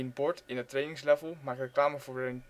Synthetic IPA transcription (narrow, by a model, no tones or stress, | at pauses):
nbɔɹtɪnətrejnɪŋslɛvəlˠmaːk̚trəklaːməvʊːɹən